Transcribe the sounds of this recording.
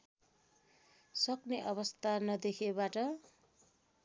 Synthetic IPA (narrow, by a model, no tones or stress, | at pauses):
sʌkneʔʌβʌst̪ʰanʌd̪ekʰebaʈʌ